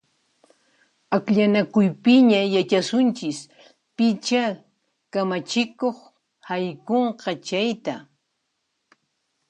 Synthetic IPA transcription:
akʎanakʊjpɪɲajat͡ʃasʊnt͡ʃɪs | pɪt͡ʃa | kamat͡ʃɪkoχ | hajkoɴqɑt͡ʃajt̪a

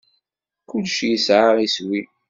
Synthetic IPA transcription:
kʊlʃjəsʕaʁiswi

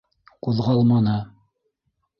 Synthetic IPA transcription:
quðʁɑlˠmɑnɤ

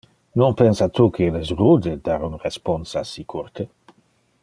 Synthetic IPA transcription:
nonpensat̪ukʰeɛlɛsrud̪ed̪aɾunresponsasikʰuɾt̪e

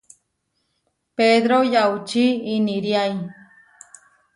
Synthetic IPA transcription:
ped̪ɾojawt͡ʃiːniɾjaj

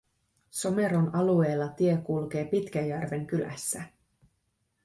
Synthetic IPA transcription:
so̞me̞ɾonɑlue̞ːlːɑt̪ie̞kulk̟e̞ːpit̪k̟æjːærʋe̞ŋk̟ylæ̰sːæ

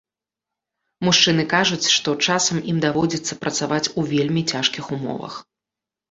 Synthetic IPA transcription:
muʂt͡ʂɨn̪ɨkaʐut͡sʲʂt̪ɔt͡ʂasɐmʔimd̪avɔd͡zʲit̪sːɐpɾɐt̪savat͡sʲuvʲelʲmʲit͡sʲaʂkʲixumɔ̰vɐ̰x

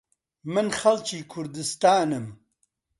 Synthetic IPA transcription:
mɨnxɐlt͡ʃiːkʰʊɾd̪ɨst̪aːnɨm

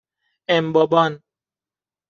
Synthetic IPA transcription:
embɔbɔn

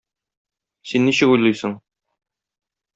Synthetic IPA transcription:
sinːiɕɘkujlˠɤjsɤɴ

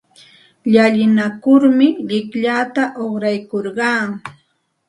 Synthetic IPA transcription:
ʎaʎɪnakʊɾmɪʎɪkʎat̪aʔoχɾajkoɾɢɑː

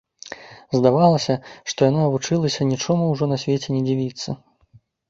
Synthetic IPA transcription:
zd̪avalˠɐsʲɐʂt̪ɔjanɔɐvut͡ʂɨlˠɐsʲɐnʲit͡ʂɔmuwʐɔnɐsʲvʲet͡sʲɛnʲɛd͡zʲivʲit̪sːɐ

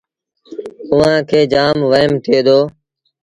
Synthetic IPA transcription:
ʊʋãːkʰeːd͡ʒaːmʋəɪmt̪ʰɪeːd̪oː

